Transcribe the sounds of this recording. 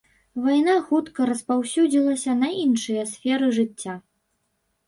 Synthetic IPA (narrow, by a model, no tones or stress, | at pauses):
vajn̪axut̪kɐɾɐspawsʲud͡zʲilˠɐsʲɐnɐinʂɨjɐsʲfʲɛɾɨʐɨt͡sʲːa